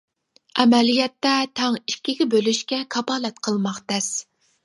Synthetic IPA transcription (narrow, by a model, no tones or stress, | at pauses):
ɛmɛlijɛt̪ːɛt̪ʰɑŋikʲːiɡʲɛbølyʃkʲɛkʰɑbɑːlɛt̪̚qʰəlˠmɑχt̪ɛs